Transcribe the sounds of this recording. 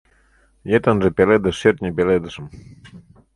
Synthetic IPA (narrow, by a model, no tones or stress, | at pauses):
jet̪ənʒĕpʲeled̪ə̆ʃert̪nʲepeled̪ə̆ʃə̆m